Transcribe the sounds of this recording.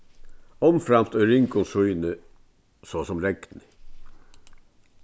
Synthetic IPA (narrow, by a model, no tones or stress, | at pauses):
ɔmfɾɑmst̪œɾɪŋkʊnsujnə | soːsɔmɾɛɡ̪nɪ